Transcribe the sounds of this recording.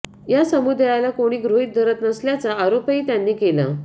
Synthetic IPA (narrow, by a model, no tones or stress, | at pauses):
jasəmud̪ajalakoɽ̃iːɡɾoɦit̪̚d̪ʱəɾət̪nəsljat͡saːɾopiːt̪janːiːkela̰